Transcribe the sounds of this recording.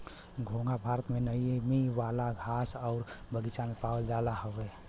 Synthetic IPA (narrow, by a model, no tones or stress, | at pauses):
ɡʱoŋɡabʱaɾət̪menəmiʋalaɡʱasɔʊɾbəɡit͡ʃamepawəld͡ʒalaɦoʋe